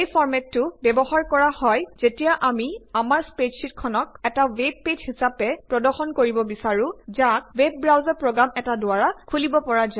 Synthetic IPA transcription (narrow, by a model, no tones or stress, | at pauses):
ejpʰɔɹmɛtːʊbɛbɔɦaɹkɔɹahɔjz̥etijaʔamiamaɹspedʃitkʰɔnɔk̚ɛtaweb̚ːedhisapɛpɹɔdɔɹxɔnkoɹibɔbisaɹuzak̚web̚ːɹawzaɹpɹoɡamɛtadʊaɹakʰulibɔpɔɹaza